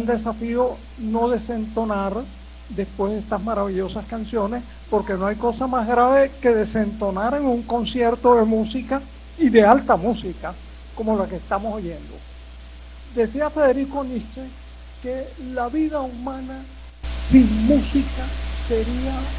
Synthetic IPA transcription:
nd̪e̞safio̞ | no̞ðe̞se̞nt̪o̞naɾ | d̪e̞spwe̞zðest̪azmaɾaβiʝo̞saskansjo̞ne̞s | po̞ɾke̞no̞ajko̞samazɣɾaβe̞ke̞ðe̞se̞nt̪o̞naɾeŋuŋko̞nsje̞ɾt̪o̞ðe̞musika | iðe̞alt̪amusika | ko̞mo̞lakeːst̪amo̞soʝe̞nd̪o̞̰ | d̪e̞siafe̞ðe̞ɾikonit͡ʃe | kelaβiðaumãna | siŋmusikase̞ɾia

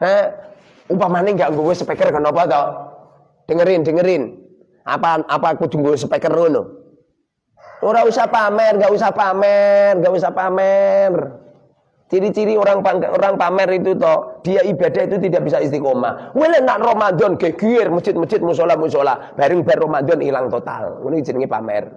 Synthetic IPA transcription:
hɛ | upamanɪŋɡaʔŋɡowɛsəpɛkərkənɔpɔt̪ɔ | ɖ̥əŋəɾɪnd̥əŋəɾɪn | ʔa̰paapakud̪̥uŋɡowsəpɛkərono̰ | oɾausahpamɛrŋɡaʔusahpamɛrŋɡaʔusahpamɛr | t͡ʃiɾit͡ʃiɾioɾaŋpaŋo̰ɾaŋpamɛrit̪ut̪ɔd̥i̤jaibad̥ait̪ut̪̬idaʔbisaist̪ikoma̰welənaʔromand̪ɔnɡ̥ehɡ̥uɪrmə̥t͡ʃɪt̪̚məd͡ʒɪt̪̚mus̬olahmusola̰b̥aɾəŋb̥arːomand̪ɔnḭlaŋt̪ot̪a̰lŋune̥d͡ʒ̥ənəŋipa̰mɛ̰r

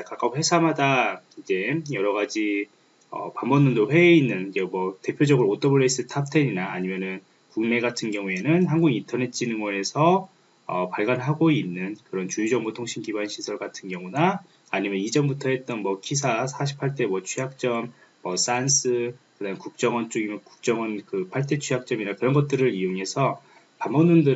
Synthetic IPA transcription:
kak͈akɸwe̞sʰamɦadaid͡ʑe̞jʌɾʌɡad͡ʑi | ʌ̰pambʌnːɯndoɸwe̞inːɯnid͡ʑe̞mwʌte̞pʰjod͡ʑʌɡɯɾot͈ʰʌbɯɾes͈ɯtʰap̚tʰe̞ɲinaːɲimjʌnɯn | kuŋme̞ɡatʰɯnɡjʌŋue̞nɯnɦanɡuɡintʰʌne̞t͡ɕ͈ʰinɯnɡʌe̞sʰʌ | ʌ̰paɭɡanɦaɡoinːɯnkɯɾʌnt͡ɕujud͡ʑʌŋbutʰoŋɕʰimkibanɕʰisʰʌɭɡatʰɯnɡjʌŋunaː | ɲimjʌnid͡ʑʌmbutʰʌɦe̞t̚t͈ʌnmʌkʰisʰasʰaɕʰi̥pʰːaɭt͈ʰe̞mwʌt͡ɕʰujak̚t͡ɕ͈ʌm | mʌs͈ans͈ʰɯkɯdaɯmkuk̚t͡ɕ͈ʌŋʌnt͡ɕ͈oɡimʌku̥k̚t͡ɕ͈ʌŋʌnkɯpʰaɭt͈e̞t͡ɕʰujak̚t͡ɕ͈ʌminakɯɾʌnɡʌt̚t͈ɯɾɯɾioŋe̞sʰʌ | pambʌnundɯ

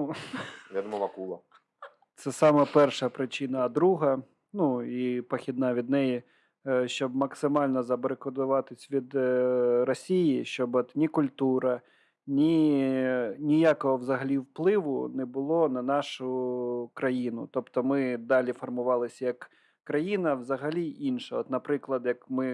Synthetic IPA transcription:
ʋʲad̪ɔmɔʋɐkulˠɐ | t̪sɛsɑmɐpɛrʃɐpɾɪt͡ʃɪnɐːd̪ɾuɦɐ | nuipɐxʲid̪̚nɑʋʲid̪nɛji | ʃt͡ʃɔbmɐksɪmɑlʲnɔzɐbɔɾekɔd̪ʊʋɑt̪ɪsʲʋʲid̪rɔsʲijiʃt͡ʃɔbɔt̪nʲikʊlʲt̪uɾɐ | nʲi | nʲijakɔɦɔʋzɐɦɐlʲiwplˠɪʋʊ̰nɛbʊlˠɔnɐnɑʃʊkɾɐjinʊ̰t̪ɔpt̪ɔmɪd̪ɑlʲifɔrmʊʋɑlˠɪsʲɐjɐkː | ɾɐjinɐwzɐɦɐlʲiʔinʃɐɔt̪nɐpɾɪklˠɐd̪jɐkmɪ

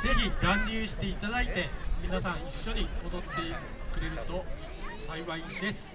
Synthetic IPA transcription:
d͡ze̞çʲiɾãɲːʲɨːɕi̥t̪e̞it̪ad̪ait̪e̞mʲinas̬ãɰ̃iɕːo̞ɲ̟imo̞d̪o̞t̪ːe̞ | kɯ̟ɾe̞ɾɯ̟t̪o̞ | saiβaid̪e̞sɨ̥

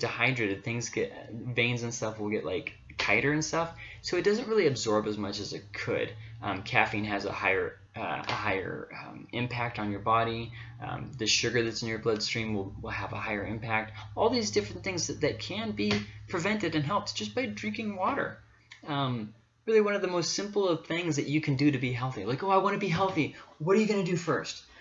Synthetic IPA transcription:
tɨhaɪdɹɨɾɨd̪θɪ̃ŋzɡɛvẽɪ̃nzɨ̃nstʌfwəlˠɡɛʔla̰ɪkʰ | aɪɾə˞ɨ̃nstʌfsoʊɨt̚d̥ʌzɨ̃nt̚ɹɪlˠiɨbzɔɹbɨzmʌt͡ʃɨzɨt̚kʰɨ̰d̥̚ʌ̰̃mkʰæfĩnɨzə̰haɪə̰˞ | ʌ̰ə̰haɪə̰˞ʌmɪ̃mpʰæk̚tn̩jə˞bɑɾi | ʌ̰̃mðɨʃʊɡə˞ðɨtsɨ̃njə˞blʌd̥stɹ̥ĩmwɪlˠwɪlˠəvə̰haɪə˞ɨ̃mpʰæk̚tɔlˠðizdɪfɹɨ̃nθɪ̃ŋzðɨðɨt̚kʰɨ̃nbipʰɹ̥ɨvɛ̃ntɨɾɨ̃nɦɛlˠp̚t̚d̥ʒ̥ʌsb̥aɪdɹɪ̃ŋkɪ̃ŋwɔɾə̰˞ | ʌ̃m | ɹɪlˠiwʌ̃nʌvðəmoʊstsɪ̃mpl̩ˠʌv̥θɪ̃ŋzðɨt͡ʃɨkʰɨ̃n̩dɨɾɨbiɦɛlˠθilaɪkoʊaɪwɑ̃ñɨbiɦɛlˠθiwʌɾə˞jɨɡʌnɨdɨfɜ˞st

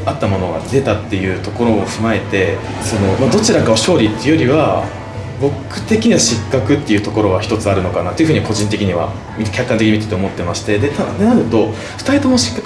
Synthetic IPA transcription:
at̪ːamo̞no̞ɡa̰d̪e̞t̪at̪ːe̞jɯ̟ːt̪o̞ko̞ɾo̞ːɸɯ̟mae̞t̪e̞ | so̞no̞mad̪o̞t͡ɕiɾakaoɕo̞ːɾʲit̪ːeiɯ̟jo̞ɾʲiβa | bo̞kɯ̟̥t̪e̞kʲiɲ̟iβaɕikːakɯ̟t̪ːe̞jɯ̟t̪o̞ko̞ɾo̞ɡaçʲi̥t̪o̞t͡sɨaɾɯ̟no̞kanat̪ːojɯ̟ɯ̟iβako̞ʑĩnt̪̬e̞kʲiɲ̟iβa̰ | mʲikʲakːãnekiɲimit̪at̪omot̪ːe̞maɕi̥t̪e̞d̪e̞t̪ad̪enaɾɯ̟t̪o̞ | ɸɯ̥t̪ait̪omoɕi̥kːak

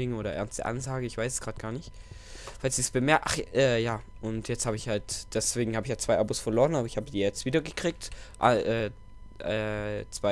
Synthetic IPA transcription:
ɪŋəoːɾɐʔɛ̰ɐnstd̥ə̰ʔa̰nzaːɡəɪçv̥aɪsɛsɡ̥ʁaːt̚ɡ̥aːɐnɪçt | falsiːsb̥əmɛɐʔa̰χʔɛːjaːʔʊntjɛt͡sthaːbəɪçhaltd̥ɛsv̥eːɡŋ̩haːbɪçjaːt͡sv̥aɪʔaːbosfɛɐloːʁənaːbɐɪçhaːbədiːjɛt͡stv̥iːdɐɡəkʁ̥iːk̚tʔa̰ʔɛː | ʔɛːt͡sv̥a

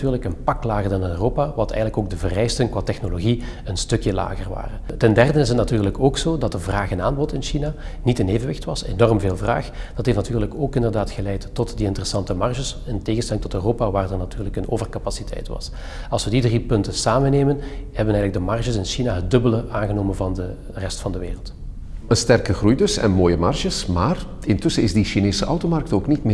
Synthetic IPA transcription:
tyːrləkənpɑklaːɣərdɑnøroːpaʋɑtɛ̰jɣənləkoːɡ̚dəvərɛjstənkʋaːtɛxnoloɣi | ənstɵkjəla̰ːɣərʋa̰ːrəntɛndɛrdəɪsətnatyːrləkoːksoːdɑt̚dəvraːxənaːnbɔrtɪnʃina | nitɪneːvənʋɪxtʋɑsenɔrmveːlˠvra̰ːxd̥ɑtɦeftnatyːrləkoːkɪndərdaːtxəlɛjtːɔtdiɪntərəsɑntəmɑrʒəsənteːɣənstɛlɪŋtɔtøroːpaʋaːrdərnatyːrləkəno̰ːvərkapasitʰɛ̰jtʋɑ̰s | ɑlˠsʋədidripɵntəsaːmənːeːmənhɛbənɛjɣələɡ̚dəmɑrʒəsɪnʃinaɦəd̚dɵbələʔaːnɣənoːmənvɑndə | rɛstfɑndəʋḛːrəlˠt | ənstɛrkəχrujdɵsɛ̰nmoːjəmɑrʒəsmaːr | ɪntɵsəɪzdiʃineːsəʔɑwtomɑrk̚toːknitmː

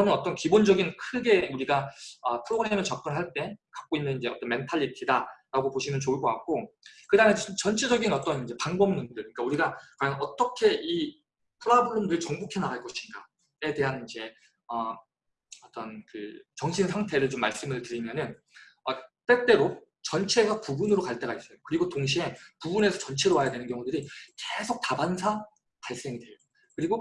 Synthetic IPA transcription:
t͡ɕʌnɯnʌt͈ʌnkibond͡ʑʌɡinkʰɯɡe̞uɾiɡaʌpʰɯɾoɡɯɾe̞mɯɭt͡ɕʌp̚k͈ɯnɦaɭt͈e̞kḁk͈̚oinːɯnind͡ʑe̞ʌt͈ʌnme̞ntʰaʎːitʰidaɾaɡopoɕʰimjʌnt͡ɕouɭɡ͈oak͈̚okɯdaŋet͡ɕʌnt͡ɕʰid͡ʑʌɡinʌt͈ʌnind͡ʑe̞paŋbʌmmundɯɭik͈auɾiɡakwajʌnʌt͈ʌkʰe̞i | tʰɯɾabʰɯɾomdɯɭt͡ɕʌŋbukʰe̞naaɭk͈ʌɕʰinɡa̰ | e̞de̞ɦanind͡ʑe̞ | ʌ | ʌt͈ʌnkɯ̰t͡ɕʌŋɕʰinsʰaŋtʰe̞ɾɯɭt͡ɕomːaɭs͈ɯmɯɭtɯɾimjʌnɯn | ʌt͈e̞t͈e̞ɾo | t͡ɕʌnt͡ɕʰe̞ɡapubunɯɾokaɭt͈e̞ɡais͈ʌjokɯɾiɡotoŋɕ̬ʰie̞pubune̞sʰʌt͡ɕʌnt͡ɕʰeɾoɦajadwe̞nɯnkjʌŋudɯɾike̞sʰok̚t͈abansʰa | paɭs͈e̞ŋidwe̞jʌ | kɯɾiɡo

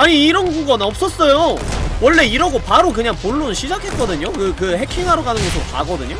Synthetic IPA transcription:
aɲiːɾʌnɡʌnʌp̚s͈ʌs͈ʌjowʌɭːe̞iɾʌɡopaɾok̬ɯɲaŋpoɭːunɕʰid͡ʑakʰe̞t̚k͈ʌdɯɲokɯkɯhe̞kʰiŋɦaɾoɡanɯnɡʌsʰɯɾoka̰ɡʌdɯɲo

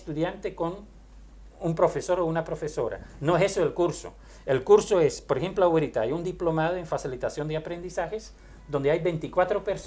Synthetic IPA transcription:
st̪uðjant̪ekon | umpɾo̞feso̞ɾounapɾofesoɾa̰noesesoelkuɾso̰ | elkuɾsoespoɾexemploawɾit̪aajund̪iplo̞mað̞oeɱfasilit̪asjo̞nd̪eapɾend̪isaxes | d̪o̞nd̪eajbent̪ikwat̪ɾo̞peɾs

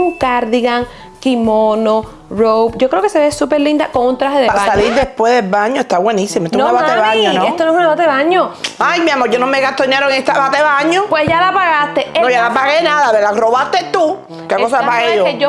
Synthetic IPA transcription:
uŋkaɾðiɣaŋ | kimono | rowpɟ͡ʝokɾeokeseβesupeɾlind̪akoŋunt̪ɾaheðeβssaliɾd̪espwezðelβaɲoest̪aβwenisimoet̪nuaβat̪eβaɲonõest̪onoesunaβat̪eaɲoajmiamoʝonomeɣaht̪oinjeɾoŋet̪aβat̪eβaɲopwesʝalapaɣast̪eenojalapaɣenaðaβeɾðaroβast̪et̪u | kekosapaɣejo

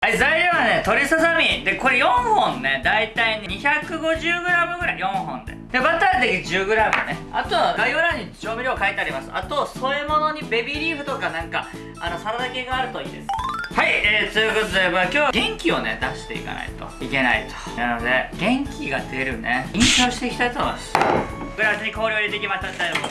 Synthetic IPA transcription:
aizaiɾʲoβane̞t̪o̞ɾʲisasamʲid̪e̞ko̞ɾe̞jõ̞ɰ̃hõ̞nːe̞d̪ait̪aiɲɲiçakɯ̟ɡo̞ʑɨːɡɯ̟ɾamɯ̟ɡɯ̟ɾaijõ̞ɰɦõ̞nd̪e̞̰d̪ebat̪at̪ekʲid͡ʑɨːɡɯ̟ɾamɯ̟neat̪o̞βaɡaioɾaɲ̟ːi̥t͡ɕoːmʲiɾʲoːkait̪eaɾʲimasɨat̪o̞so̞emo̞no̞ɲ̟ibe̞bʲiɾʲiːɸɯ̟t̪o̞kanãŋka | ano̞saɾad̪ake̞ɡaːɾɯ̟t̪o̞ḭːd̪e̞̰sɨ̥haieːt̪ojɯ̟ko̞t̪o̞d̪emakʲo̞ːaɡẽ̞ŋkʲio̞ne̞̰d̪aɕi̥t̪e̞ḭka̰na̰it̪o̞̰ike̞na̰it̪o̥nano̞d̪e̞ɡẽ̞ŋkʲiɡad̪e̞ɾɯ̟ne̞ĩɰ̃ɕo̞ːɕi̥t̪e̞kʲi̥t̪at̪osɡɯ̟ɾasɨɲ̟iko̞ːɾʲjoːɾʲid̪ekʲimaɕt̪amit̪ajn

